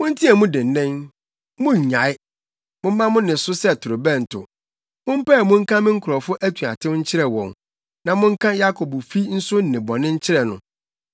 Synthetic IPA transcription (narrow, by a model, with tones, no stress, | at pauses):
mʊ̃˦n̩˦tʰĩ˦ɛ˨mʊ̃˦dɪ˨n̩˨nɪ̃˦n | mʊ̃˦ɲ̩˨ɲã˨ɪ˦ | mʊ̃˦m̩˦mã˦mʊ̃˦nɪ̃˨sʊ˦sɛ˦˨tʰʊ˨ɾo˨bɛ̃˦˨n̩˨tʰʊ̰˨ | mʊ̃˦m̩˦pɛ˦˨mʊ̃˦ŋ̩˦kʰã˦mɪ̃˦ŋ̩˦kʰʊ˨ɾɔ˨fʊ˦ʔæ˦tʰu˨a̰˨tʰɪ̃˦ɲ̩˦t͡ɕʰɪ˦ɾɛ˨wɔ̃˨ŋ | nã˨mʊ̃˦ŋ̩˦kʰã˦ja˦kʰo˨bfi˦n̩˦sʊ˦n̩˨nɪ̃˨bɔ˨nɪ̃˦ɲ̩˦t͡ɕʰɪ˦ɾɛ˨nʊ̰̃˨